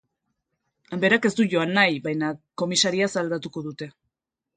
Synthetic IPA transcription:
mbe̞ɾake̞st̪uʝo̞anːajβajnako̞misaɾiasald̪at̪uko̞ðut̪e̞

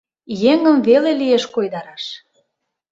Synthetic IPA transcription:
jeŋə̆mvelelieʃkojd̪ɑɾɑʃ

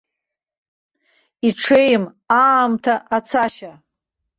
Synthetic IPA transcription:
iʈ͡ʂʰejm | aːmtʰaʔat͡sʰaʃa

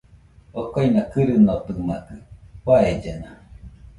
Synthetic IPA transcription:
okojnakɨɾɨnot̪ɨmakɯkwaed͡ʒena

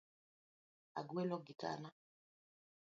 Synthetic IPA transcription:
a̰ɡwelɔɡita̰na

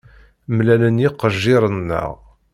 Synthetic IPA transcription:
mlælənjɪqːəʒːɪɾˤənːə̰ʁ

